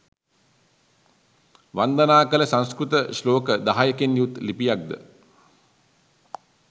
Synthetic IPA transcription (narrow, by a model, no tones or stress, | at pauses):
ʋand̪ənaːkələsanskɾut̪əsloːkəd̪aɦajəkenjut̪lipijak̚d̪ə̰